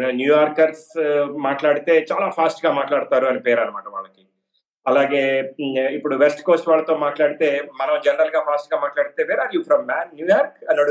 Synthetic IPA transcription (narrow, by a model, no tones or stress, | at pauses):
ɐnjuːjaːɾkɐɾsmaːʈlaːɽit̪e̞ːt͡ʃaːlaːpʰaːsʈɡaːmaːʈlaːɽut̪aːɾuɐnipɛːɾɐnɐmaːʈɐʋɐɭːɐki | ɐlaːɡe̞ːipːuɽuʋesʈko̞ːsʈʋaːɭlɐt̪oːmaːʈlaːɽit̪e̞ːmɐnɐmd͡ʒɛnɐɾɐlɡaːpʰaːsʈɡaːmaːʈlaːɽit̪e̞ːʋɛːɾaːɾjuːpʰɾɐmːaːnːjuːjaːɾkɐnːɐɽ